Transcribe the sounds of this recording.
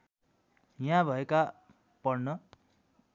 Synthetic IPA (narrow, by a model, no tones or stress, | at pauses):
jãbʱʌeka | pʌrnʌ